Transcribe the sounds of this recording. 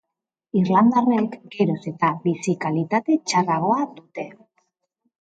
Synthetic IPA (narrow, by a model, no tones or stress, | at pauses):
irland̪arekɡeɾose̞t̪aβisikalit̪at̪e̞t͡ʃaraɣ̞o̞ad̪ut̪e̞